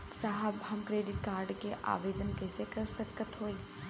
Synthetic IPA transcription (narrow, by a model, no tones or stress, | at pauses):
saɦəbɦɐmkɾeːɖɪʈ̚kaːɾɖkeʔa̰ːʋeːd̪ənkɛːsekəɾsəkət̪ɦoːĩ